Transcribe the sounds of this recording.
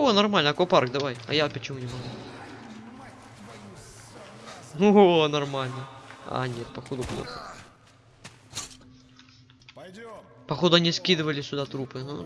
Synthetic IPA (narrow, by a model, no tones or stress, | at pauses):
onɐrmalʲnəɐkoparɡd̪ɐvajɐ̰japət͡ɕɪmunʲɪmɐɡu | onɐrmalʲnəa̰nʲet̪̚pɐxod̪ʊplˠo̰xə̰ | pɐxod̪ʊɐnʲiskʲid̪ɨvəlʲɪsʲʊd̪at̪ɾupɨɦu